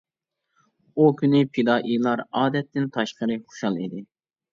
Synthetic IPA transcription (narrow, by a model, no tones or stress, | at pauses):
ukʲʰynɪpʰid̪ɑːʔijlˠɑɾɑːd̪ɛt̪ʰːɪnt̪ʰɑʃqəɾɨχo̥ʃɑlˠid̪ɪ